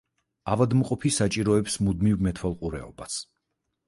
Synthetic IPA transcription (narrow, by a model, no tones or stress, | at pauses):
avad̪mqʼɔpʰisat͡ʃʼiɾɔɛpsmud̪mivmɛt̪ʰwɛlˠqʼuɾɛ̰ɔ̰bas